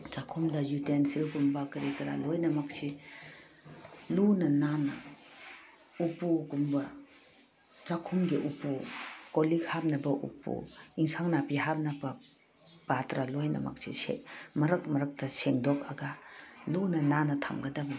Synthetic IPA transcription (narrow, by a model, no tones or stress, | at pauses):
t͡ʃakʰumdɐjutensilɡumbɐkɐɾikɐɾa̰lojnɐmɐk̚si | lunɐnanɐ | upuɡumbɐ | t͡ʃakʰumɡiʔupukoliɡhap̚nɐbɐʔṵpṵiŋsʰaŋnapiɦap̚nɐbɐ | patɾalojnɐ̰mɐ̰k̚sḭsḛmɐɾɐk̚mɐɾɐk̚tɐseŋdok̚ɐɡɐlunɐnanɐtʰamɡɐdɐbɐ